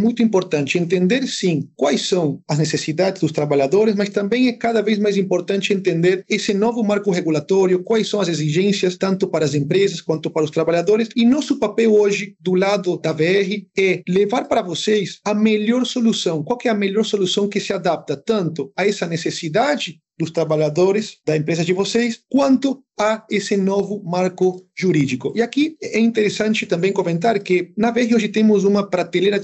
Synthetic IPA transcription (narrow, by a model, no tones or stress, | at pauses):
ɛmũj̃t̪ʊĩmpoɾt̪ɐ̃nt͡ʃɪẽnt̪ẽnd̪eɾsĩŋkwajsːɐ̃w̃ɐznesesid̪ad̪ɪzd̪ʊst̪ɾaβaʎad̪oɾɪsmast̪ɐ̃mbẽj̃ɛkaðɐvejzmajs̬ĩmpoɾt̪ɐ̃nt͡ʃɪẽnt̪ẽnd̪eɾesɪnɔvʊmaɾkʊheɣulat̪ɔɾjʊkwajsːɐ̃w̃ɐzeziʒẽnsjɐst̪ɐ̃nt̪ʊpaɾɐːz̬ẽmpɾezɐskwɐ̃nt̪ʊpaɾɐʊst̪ɾaβaʎad̪oɾɪsinɔsʊpapɛwoʒɪd̪ʊlad̪ʊd̪ɐveɛhɪɛlevaɾpaɾɐvosejsɐmeʎoɾsolusɐ̃w̃kwawkɪɛɐmeʎoɾsolusɐ̃w̃kɪsɪad̪ap̚t̪ɐt̪ɐ̃nt̪ʊaɛsɐnesesid̪ad͡ʒɪ | d̪ʊst̪ɾaβaʎad̪oɾɪsd̪ɐsẽmpɾezɐzd͡ʒɪvosejskwɐ̃nt̪ʊ | aesɪnɔvʊmaɾkʊʒuɾid͡ʒikʊʔiakiɛĩnt̪eɾesɐ̃nt͡ʃɪt̪ɐ̃mbẽj̃komẽnt̪aɾkɪnɐveɛhɪoʒɪt̪ẽmʊs̬ũmɐpɾat̪elejɾɐ